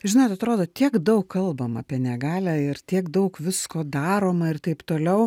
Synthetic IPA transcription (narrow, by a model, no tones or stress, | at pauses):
ʒʲɪnoːt̪ɐt̪ɾoːd̪oːt̪ʲiɛkd̪ɐʊkkɐlˠbɐmɐpʲiɛnʲɛɡɑːlʲæɪrt̪ʲiɛkd̪ɐʊkʋʲɪskoːd̪ɑːɾoːmɐɪrt̪ɐɪpt̪oːlʲɛʊ